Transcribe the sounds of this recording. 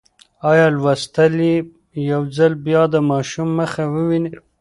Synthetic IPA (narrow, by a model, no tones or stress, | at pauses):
ɑjɑlwast̪ali | jawzalbjɑd̪əmɑʃumːəxawəwini